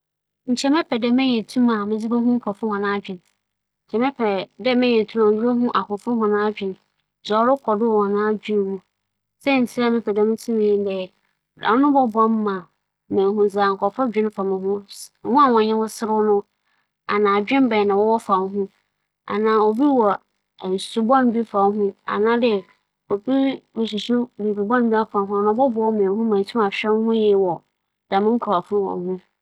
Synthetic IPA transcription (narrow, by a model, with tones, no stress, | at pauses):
ɲ̩˨t͡ɕʰɛ˨mɛ˦pʰɛ˨dɛ˦mɪ̃˦ɲɛ̃˨tʰũ˦mã˨mɪ̃˦d͡zi˦ɾo˦ɦũ˦ŋ̩˦kʰɔ˨fʊ˦hɔ̃˨nãː˦d͡ʑᶣɪ̃˨n | ɲ̩˨t͡ɕʰɛ˨mɛ˦pʰɛ˨dɛ˦mɪ̃˦ɲɛ̃˨n˨tʰũ˦mã˨i˦o˦ɦũ˦ʔa˨kʰʊ˨fʊ̃˦hɔ̃˨nãː˦d͡ʑᶣɪ̃˨n | zɔ˨˦ɾʊ˦kʰɔ˨dɪ˦˨wɔ̃˨nãː˦˨˦d͡ʑᶣɪ̃˦n˦hũ˦ | sɛ˦˨n̩˨tʰi˦ɾa˦mɪ̃˦pʰɛ˨dɛ˨mɪ̃˦tʰũ˦m̃˦˨dɛ˨ | dã̰˨˦nʊ̃˦bɔ˦bã˦m˦mã˨ | mɛ̃˨ɦũ˨za˨ŋ̩˨kʰɔ˨fɔ˦d͡ʑᶣɪ̃˦n˦fa˨mɪ̃˨hũ˦hʊ̃˦a˨wɔ̃˨ɲɪ̃˦wʊ̃˦sɪ˦ɾʊ˦nʊ̃˦ | a̰˨nãː˨d͡ʑᶣɪ̃˦m˦bɛ˨nã˨wɔ˦wɔ˦fa˨n˦ɦʊ̃˦ | a̰˨nãː˨o˨bi˦wɔ˨ | n̩˨su˨bɔ̃˦n˨bi˦fa˨˦ɦʊ̃˦a̰˨nã˦dɪ˦ | o˨bi˦mʊ˨s̬i˨sʊ˦˨bi˨bi˨bɔ̃˦n˦bi˦a˦fa˨ɦʊ̃˦a˨nã˨˦bɔ˦bɔ˦ɔ˦mɛ̃˨hʊ̃˦mã˨n̩˨tʰĩ˦ma˨ɕᶣɛ˦n˦hʊ̃˦jɛ˦wɔ˨ | d̥a˨mɪ̃˦ŋ˦kʰɾa˨fʊ˦ɾʊ˦wɔ̰̃˨hʊ̃˦